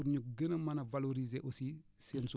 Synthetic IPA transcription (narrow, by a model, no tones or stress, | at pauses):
uɾɲuk̚ɡənɐmɐnɐvaloɾizeʔosisɛnsu